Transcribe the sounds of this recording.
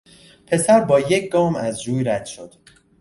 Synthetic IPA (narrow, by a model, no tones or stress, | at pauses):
pʰe̞sæɾbɒːjecʰɡɒːmæzɾuːjɾæd̪̥ʃo̞d̪̥